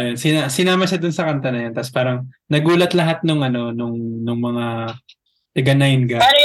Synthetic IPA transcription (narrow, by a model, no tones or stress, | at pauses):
jonsɪnasɪnaːmɐʃad̪ʊnsɐkɐnt̪ɐnɐjot̪ɐspaːɾɐŋnɐɡuːlɐt̪lɐɦat̪̚nʊŋʔɐno̞nʊŋnʊŋmɐŋa | t̪ɐɡɐnajnɡa